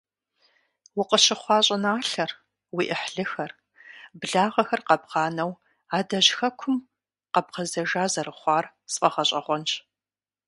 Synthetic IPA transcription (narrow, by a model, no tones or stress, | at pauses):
wʊqəɕɪχʷɑːɕʼɐnaːɬɐr | wiːʔɪħɮɨxɐr | bɮaːʁɐxɐrqɐbʁɑːnɐw | aːdɐʑxɐkʷʰʊm | qɐb̚qɐzɐʒaːzɐrɨχʷɑːr | sfʼɐʁɐɕʼɐʁʷɔnt͡ʃʰʼ